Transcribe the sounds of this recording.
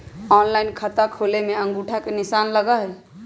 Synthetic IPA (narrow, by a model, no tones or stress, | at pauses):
ɔnlainkʰət̪akʰolemeəŋɡuʈʰakenisanləɡaɦɛ